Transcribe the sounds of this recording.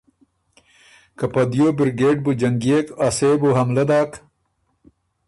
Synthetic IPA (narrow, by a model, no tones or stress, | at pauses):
kapɐd̪jobɪɾɡeːʈ̚bud͡ʒɐŋɡiekɐseːbuɦɐmled̪aːk